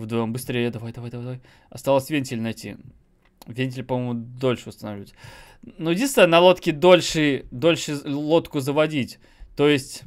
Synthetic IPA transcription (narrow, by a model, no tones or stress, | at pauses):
vd̪mbɨst̪ɾʲejəd̪ɐvajd̪ɐvajd̪ɐvajd̪avaj | ɐst̪alˠəsʲvʲenʲtʲɪlʲnɐjtʲḭ | vʲenʲt̬ʲɪlʲpɐmojmʊd̪o̞lʲʂɨʊst̪ənɐvlʲətʲ | nudʲist̪ənɐlˠo̞t̪kʲɪd̪o̞lʲʂɨd̪o̞lʲʂɨlˠo̞t̪kʊzəvɐdʲitʲ | t̪ojɪsʲtʲ